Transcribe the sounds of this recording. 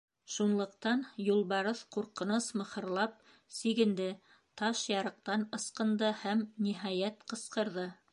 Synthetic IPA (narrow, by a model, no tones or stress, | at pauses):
ʃunlˠɤ̆qt̪ɑnjulˠβɑɾɤθquɾqɤ̆nɤsmɤ̆hɤ̆ɾlˠɑp̚ | siɡɘ̆nd̪ɘ | t̪ɑʃjɑɾɤ̆q̚t̪ɑnɤ̆sqɤ̆nd̪ɤhæmniɦɑjæt̪qɤ̆sqɤ̆ɾðɤ